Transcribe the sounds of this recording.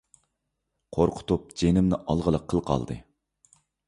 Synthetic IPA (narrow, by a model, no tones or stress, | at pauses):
qʰoɾqʰʊ̥t̪up̚d͡ʒenɪmnɪʔɑlˠʁəlˠəqʰːəlˠqʰɑ̰lˠd̪ɨ̰